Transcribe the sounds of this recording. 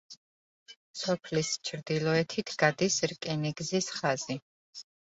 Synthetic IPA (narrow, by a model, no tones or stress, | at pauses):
sɔpʰlist͡ʃʰɾd̪ilˠɔɛt̪ʰit̪ʰɡ̥ad̪isɾkʼɛniɡzisχazi